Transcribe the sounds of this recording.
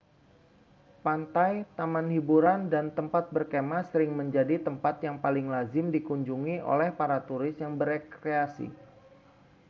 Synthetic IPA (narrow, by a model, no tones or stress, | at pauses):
pant̪ajt̪amanhibuɾandant̪əmpat̪̚bərkemasəɾɪŋməɲd͡ʒadit̪əmpat̪jaŋpalɪŋlazɪmdikuɲd͡ʒuŋiʔo̰lɛhpaɾat̪uɾɪsjaŋbəɾekɾeasḭ